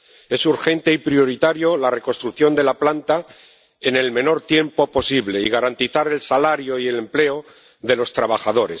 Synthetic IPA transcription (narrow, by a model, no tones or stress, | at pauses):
e̞suɾxe̞nt̪e̞ipɾjo̞ɾit̪aɾjo̞lare̞konst̪ɾuθjo̞nd̪e̞laplant̪a | ene̞lmẽ̞no̞ɾt̪je̞mpo̞po̞siβle̞iɣ̞aɾant̪iθaɾe̞lsalaɾjo̞ie̞le̞mple̞o | ðe̞lo̞st̪ɾaβ̞axaðo̞ɾe̞̰s